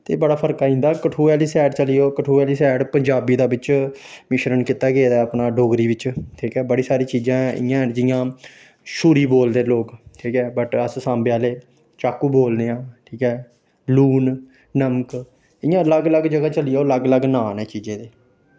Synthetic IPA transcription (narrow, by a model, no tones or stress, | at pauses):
t̪eːbəɽaːpʰəɾkaːĩːnd̪aːkəʈʰuːɛːliːsɛːɖt͡ʃəlɪjoːkəʈʰuːɛːliːsɛːɖpəɲd͡ʒaːbiːd̪aːbɪt͡ʃmɪʃɾənkɪt̪aːɡeːd̪aːəpnaːɖoːɡɾiːʋɪt͡ʃʈʰiːkɛːbəɽiːsaːɾiːt͡ʃiːd͡ʒãːɪ̰jãːd͡ʒɪjãː | ʃuːɾiːboːld̪eːloːkʈʰiːkɛːbəʈəssãːmbeaːleː | t͡ʃaːkːuːboːld̪eːãːʈʰiːkɛː | luːn | nəmk | ɪjãːləɡləɡd͡ʒəɡaːt͡ʃəlɪjoːləɡləɡnaːnɛːt͡ʃiːd͡ʒẽːd̪eː